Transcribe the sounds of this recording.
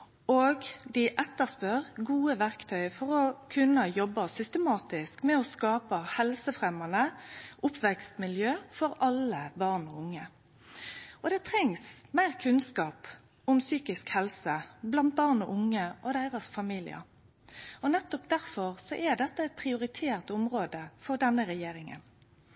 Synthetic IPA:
oːɡd̪ɪʔɛt̪ːəʁspœʁɡuːəʋæʁkt̪ʰœʏfɔʁɔkʰʉnəjɔbːɑsʏst̪əmɑːt̪ɪskmɛɔskɑːpɑhɛlsəfʁɛmɑnəʔʊpʰʋɛkst̪mɪljøːfɔʁɑləbɑʁnɔʊŋːə | ʔɔd̪ɛt̪ʰɾɛŋsmæɪʁkʰʉnskɑːp | ʊmsyːkɪskhɛlsəblɑnt̪̚bɑːʁnɔʔʊŋːəʔɔd̪æɪʁɑsfɑmiːlɪ̰ə̰ | ɔnɛt̪ːɔpd̪æʁfɔʁsɔʔɛd̪ɛt̪ːəɛɪt̪̚pʰʁɪʊɾɪt̪ʰeːʁt̪ʊmʁoːd̪əfɔʁd̪ɛnːəɾɛjeːɾɪŋə̰n

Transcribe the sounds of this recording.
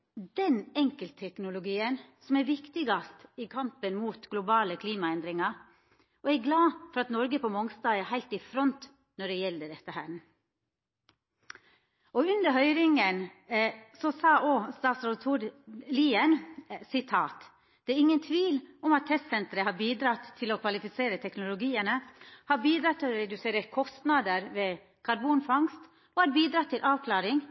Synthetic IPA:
d̪ɛnɛŋkəlt̪ʰɛknʊlʊɡiːənsɔmæɾʋɪkt̪ɪɡɑst̪ɪkʰɑmpənmuːt̪ɡ̥lʊbɑːləkʰliːmɑɛnd̪ɾɪŋɑɾ | ɔɛɾɡlɑːfɔɾɑt̪nɔɾɡəpʰɔmɔŋst̪ɑːɛɾhæɪlt̪ɪfɾɔnt̪ | nɔɖɛjɛld̪əɖ̪ɛt̪ːəhæːn | ʔɔʉnd̪əɾɦœʏɾɪŋən | sɔsɑːʔoːst̪ɑːt̪sɾɔt̪ʰuːɾliːənsɪt̪ʰɑːt̪ | d̪̥ɛːɾɪŋːənt̪ʰʋiːlɔmɑt̪ʰːɛst̪sɛnt̪əɾəhɑɾbiːd̪ɾɑt̪ʰːɪlɔkʰʋɑlɪfɪseːɾət̪ʰɛknʊlʊɡiːənəhɑɾbiːd̪ɾɑt̪ʰːɪlɔɾɛd̪ʉseːɾəɾkʰɔst̪nɑd̪əɾʋe | kʰɑɾbuːnfɑŋst̪ | ʔoːhɑɾbiːd̪ɾɑt̪ʰːɪlʔɑːʋkʰlɑːɾɪŋ

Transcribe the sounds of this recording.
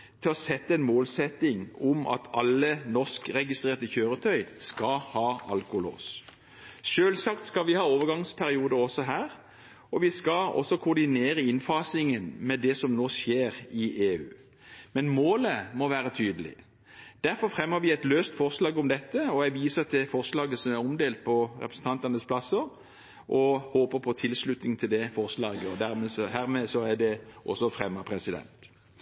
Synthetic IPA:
t̪ʰɪlɔsɛt̪ːəɛnmoːlsɛt̪ːɪŋʊmɑ̰t̪ʰɑlːənɔskɾɛɡɪst̪ʁeːʁt̪əçøːɾət̪ʰœʏskɑhɑːɑ̰lkʊlo̰ːs | ʃøːlsɑkt̪skɑʋɪhɑːoːʋəɾɡɑŋspʰæɾɪuːd̪əɔsɔɦæːʁ | ɔʋɪskɑɔ̰sɔkʰʊɾd̪ɪneːɾəɪnfɑːsɪŋənmɛd̪ɛsɔmnoːsjeːʁɪʔeːʉ̰ː | mɛnmoːləmɔʋæːɾət̪ʰyːd̪əlɪ̰ | d̪̥æɾfɔɾfʁɛmːəɾʋɪɛt̪løːst̪fɔʁslɑːɡʊmd̪ɛt̪ːəɔæʋiːsət̪ʰɪfɔʁslɑːɡəsɔmæɾɔmd̪eːlt̪̚pʰɔɾɛpɾəsn̩t̪ɑnt̪ɑnəsplɑsəɾ | ʔɔhoːpəɾpʰɔt̪ʰɪlslʉt̪nɪŋt̪ʰɪld̪ɛfɔʁslɑːɡəɔd̪æʁmɛsɔhæːɾmeːsɔæɖ̪ɛʔɔsːɔfɾɛmːəpʰɾɛsɪd̪ɛ̰nt̪

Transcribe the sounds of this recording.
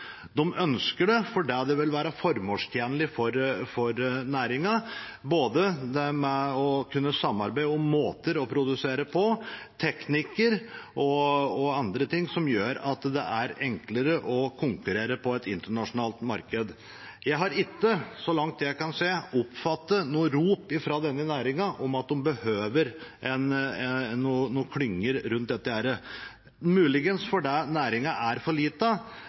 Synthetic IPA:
d̪ɔmʔœnskəɖɛfɔɖɛd̪ɛʋɪlʋæːɾɑfɔɾmoːlʂt̪ʰjeːnəlɪfɔɾfɔɾnæːɾɪŋɑ | boːd̪əd̪ɛmɛɔkʰʉnːəsɑmːɑɾbæɪd̪əɔmːoːt̪əɾɔpʰɾʊd̪ʉseːɾəpʰɔt̪ʰɛknɪkəɾʔɔɔɑnd̪ɾət̪ʰɪŋːsɔmjøːɾɑt̪d̪ɛ̰ʔæɾɛŋkləɾəʔɔkʰʊŋkʉɾeːɾəpʰɔɛt̪ɪnt̪əɳɑʂʊnɑːlt̪mɑɾkəd̪ | jæɪɦɑɾɪt̪ːəsɔlɑŋt̪̚d̪ɛjæɪkɑnseːɔpfɑt̪ːənuːəɾuːpɪfɾɑd̪ɛnːənæːɾɪŋɑʔɔmɑt̪̚d̪ʊmbəhøːʋəɾʔɛnɛnːuːnuːkʰlʏŋːəɾɾʉnt̪̚d̪ɛt̪ːəæːɾə | mʉːlɪɡənsfɔɖɛnæːɾɪŋɑʔæɾfɔɭiːt̪ə

